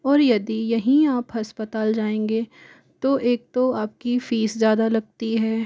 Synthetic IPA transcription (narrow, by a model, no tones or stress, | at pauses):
ɔːɾjɐd̪ijɐɦĩaːpɦɐspət̪aːld͡ʒaːẽːŋɡe | t̪oʔeːk̚t̪oaːp̚kifiːszjaːd̪alɐɡ̚t̪iɦɛː